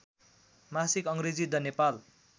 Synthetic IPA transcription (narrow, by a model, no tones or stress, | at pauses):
masikʌŋɾed͡zid̪ʌnepal